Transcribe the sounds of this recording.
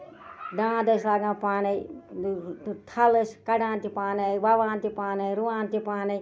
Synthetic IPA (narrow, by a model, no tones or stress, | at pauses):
ɖãːd̪ɐslaːɡãːpaːnei | t̪ʰɐlɨskɐɖãːnt̪ipaːneʋɐʋãːnt̪ipaːneiɾuʋãːnt̪ipaːne